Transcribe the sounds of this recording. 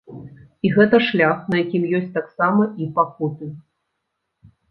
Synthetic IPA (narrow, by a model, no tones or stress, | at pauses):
iɣɛt̪ɐʂlʲaxnɐjakʲimjɔsʲtʲt͡sʲt̪aksamɐipakut̪ɨ